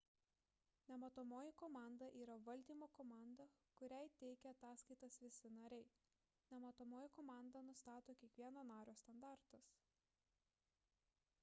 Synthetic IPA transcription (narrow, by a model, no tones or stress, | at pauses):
nʲɛmɐt̪omoːjɪkɔmɑˑnd̪ɐʔiːɾɐʋɐlʲd̪ʲiːmoːkɔmɑˑnd̪ɐkʊɾʲɛɪt̪ʲɛɪkʲɛɐt̪ɑːskɐɪt̪ɐsʋʲɪsʲɪnɐɾʲɛɪ | nʲɛmɐt̪ɔmoːjɪkɔːmɑˑnd̪ɐnʊst̪ɑːt̪oːkʲiɛkʋʲiɛnɐnɑːɾʲoːsʲt̪ɐnd̪ɑˑɾt̪ɐs